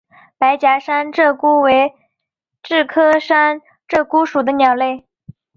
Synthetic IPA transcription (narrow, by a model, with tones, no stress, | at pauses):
pa˧˥ɪt͡ɕja˧˥ʂa˥nʈ͡ʂɤ˥˩ku˥we˧˥ɪ | ʈ͡ʂɻ̩˥˩kʰɤ˥ʂa˥n | ʈ͡ʂɤ˥˩ku˥ʂu˨˩d̪ə˦njɑ˨˩ʊle˥˩ɪ